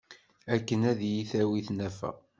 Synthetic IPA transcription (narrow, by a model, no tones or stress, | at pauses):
ækːənæðjiθæwiθnæfæ̰